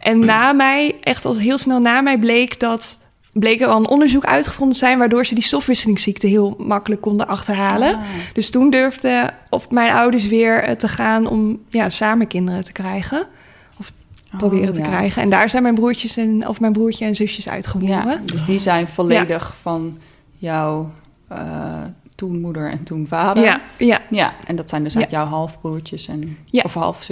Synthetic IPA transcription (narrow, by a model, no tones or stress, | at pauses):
ʔɛnːaːmɛjʔɛχtɑlˠɦɪːlˠsnɛlˠnaːmɛjblejkdɑt | blejkəɹɑlˠənʔɔndəɹzukœ̰ɥtχəvɔndəzɛjnʋaːɹdʊːɹzədistɔfʋɪsəlɪŋsiktəɦɪːlˠmɑkələkːɔndəʔɑχtəɹɦaːlənd̥ɵstundøɹvdəɔfmɛjnʔɑwdəɹs̬ʋɪːɹtəχaːnɔ̰mjaːsaːməkɪndərətə̥krɛjχə | ɔf | prowbɪːrətəkrɛjχəɛ̰ndaːɹzɛjnmɛjnbruːɹcəsɛnɔ̰fmɛjnbruːɹcəɛnzɵsjəsœ̰ɥtχəʋupədøsdizɛjnvɔlejdəχfɑn | jɔw | tunmudəɹɛ̰ntunvaːdəajaaʔɛndɑtsɛjndəskjɔwɦɑlˠfbruːɹcəsɛnjaɔfɦɑ̰lˠfs